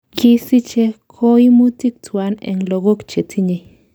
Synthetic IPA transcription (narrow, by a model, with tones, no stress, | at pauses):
ki˦si˦t͡ʃe˦kʰo˦i˦mu˦ti˦k̚t͡swa˨˦nḛ˨ŋlo˧ɡo˦kt͡ʃe˨tʰi˦ɲe˧